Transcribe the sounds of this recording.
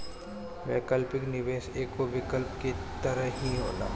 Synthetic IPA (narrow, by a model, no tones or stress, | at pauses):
mɛ̰̃ːkɐlpɪknɪʋeːseːkːoʋɪkəlp̚ket̪ɐɾəɦiɦoːla̰ː